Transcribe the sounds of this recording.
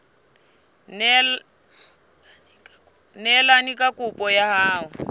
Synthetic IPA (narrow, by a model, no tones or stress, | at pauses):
nɛl | nɛlanikʼakʼupʼɔjahaːɦʊ